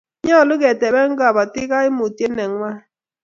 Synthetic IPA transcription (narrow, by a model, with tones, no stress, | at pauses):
ɲa˦˨lʊ˦ɡɛ˨tɛ˨bɛ˦ŋ˦ɡa˨ba˨tɪ˦ka˦ɪ˦mo˨te˦nɛ˨ŋwa˦